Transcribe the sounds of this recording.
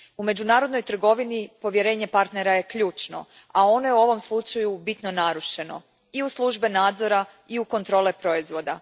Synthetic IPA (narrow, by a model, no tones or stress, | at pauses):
ume̞d͡ʒunaːɾod̪no̞jt̪r̩ɡo̞ʋinipo̞ʋje̞ɾe̞ːɲe̞paɾt̪ne̞ɾaje̞kʎuːt͡ʃno̞̰ | ao̞no̞je̞uo̞ʋo̞mslˠut͡ʃajubit̪no̞naɾuʃe̞no̞̰ | iuslˠuʒbenaːd̪zo̞ɾa | iuko̞nt̪ɾo̞ːlepɾo̞izʋo̞d̪a